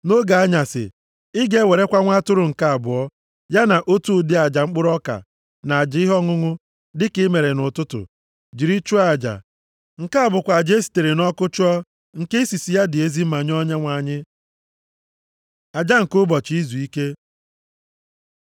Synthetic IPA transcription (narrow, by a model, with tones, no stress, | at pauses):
no˦ɡa˨a˦ɲa˨sɪ̰˨ | ɪ˦ɡe˦we˨ɾe˦kʷa˦ŋʷa˦tʊ˦ɾʊ˨ŋ̩˨ka˦a˨bʊ˨ɔ˦ | ja˦na˨ʔo˦tu˦˨˦dɪ˦a˨d͡ʒa˨ŋ͡m̩˦k͡pʊ˦ɾɔ˦ka̰˨ | na˨a˨d͡ʒɪ˨˦ɪ˦ɦɔ˦ŋʊ˦ŋʊ˦ | dɪ˦kɪ˦me˨ɾe˨nʊ˨tʊ˦tʊ̰˨ | d͡ʒi˨ɾi˦t͡ʃu˦a˨d͡ʒa̰˨ | ŋ̩˨ka˦a˨bʊ˨kʷa˨d͡ʒe˦si̥˨te˨ɾe˨nɔ˦kʊ˦t͡ʃʊ˦ɔ˦ | ŋ̩˨ke˦i˦si˨si˨ja˦dɪ˨e˦zi˦ma˨ɲ˦ɔ˦ɲe˦ŋʷa˨ɲɪ˦ | a˨d͡ʒa˦ŋ̩˨kʊ˦bɔ˨t͡ʃi˨˦i˦zu˨i˦ke˦